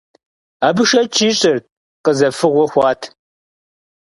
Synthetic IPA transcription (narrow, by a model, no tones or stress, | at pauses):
aːbɨʃɐt͡ʃʰʼiːɕʼɪr | qəzɐfɨʁʷɔxʷɑːtʰ